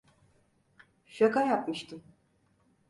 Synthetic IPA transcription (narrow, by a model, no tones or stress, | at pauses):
ʃakajapmɯʃt̪ʰɯm